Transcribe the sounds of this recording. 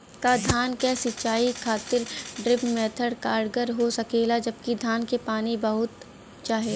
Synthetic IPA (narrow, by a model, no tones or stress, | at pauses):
kad̪ʱaːnkɛsɪt͡ʃaːikʰaːt̪ɪɾɖɾɪpmɛːt̪ʰəɽkaːɾɖɡəɾɦosɐkeːlad͡ʒɐbkid̪ʱaːnkepaːnibɐɦʊt̪ | t͡ʃaːɦeː